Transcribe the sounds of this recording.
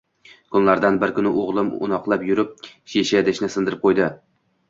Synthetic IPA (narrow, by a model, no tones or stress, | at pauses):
kʰʊnlaɾd̪anbɪɾkʰʊnɪʔoʁlˠɪmʊ̰nɒqlˠapjʊɾɪp̚ʃeʃad̪ɪʃnɪsɪnd̪ɪɾɪp̚qʰojd̪ɪ